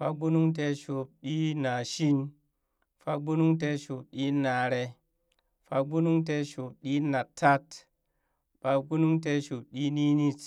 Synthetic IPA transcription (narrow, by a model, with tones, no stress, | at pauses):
fa˦k̚bu˦nu˦ŋte˧˦ʃo˨p̚ɗi˦na˨ʃi˦n | fa˦k̚bu˦nu˦ŋte˦ʃo˨p̚ɗi˦na˨ɾe˧ | fa˦k̚bu˦nu˦ŋt̬e˦ʃo˨p̚ɗi˦na˨tʰːa˦t | ɓa˦k̚bu˦nu˦ŋt̬e˦ʃu˨p̚ɗi˦ni˦ni˦t